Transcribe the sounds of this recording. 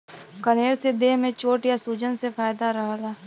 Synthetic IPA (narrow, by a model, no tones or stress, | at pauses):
kəneːɾsed̪eːɦmẽt͡ʃoːʈjasuːd͡ʒənsefaːjd̪aɾəɦlaː